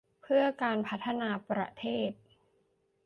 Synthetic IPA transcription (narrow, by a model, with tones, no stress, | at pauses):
pʰɯ˥˩ɐkaː˧npʰa˦˥t̪ʰːa˧naː˧pɾa̰˧t̪ʰeː˥˩t̪̚